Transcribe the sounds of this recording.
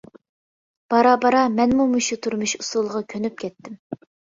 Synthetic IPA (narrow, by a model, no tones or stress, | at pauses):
b̥ɑɾɑbɑɾɑmɛnmumuʃut̪ʰuɾmɨʃusulˠʁɑkʲʰønyp̚kʲʰɛt̪ːɪm